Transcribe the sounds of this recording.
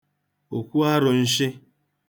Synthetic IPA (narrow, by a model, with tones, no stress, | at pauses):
o˨kʷu˦a˦ɾʊ˨n̩˦ʃɪ˦